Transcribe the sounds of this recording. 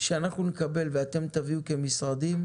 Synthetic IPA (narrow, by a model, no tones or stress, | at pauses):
ʃeanaχnunekabe̞lveat̪e̞mt̪aviuke̞misʁad̪im